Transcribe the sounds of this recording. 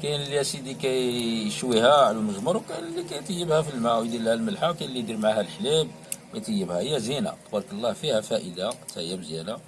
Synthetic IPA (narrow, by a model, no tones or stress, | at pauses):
kænəljæsid̪ikæjʃwihæʕluməʒməɾˤwkænəlːikæjt̪əjːəbhæfilmæwjd̪ilhælməlħawkænlːid̪iɾmʕahælħlib | kæjt̪əjːəbhæhəjːæzina̰t̪ˤbɑɾˤkəlˤːɑhfihæfæʔəd̪at̪æjːæbzjæna